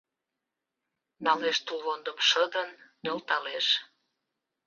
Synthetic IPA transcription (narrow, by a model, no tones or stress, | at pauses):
nɑleʃt̪ulβond̪əmʃəd̪ənnølt̪ɑleʃ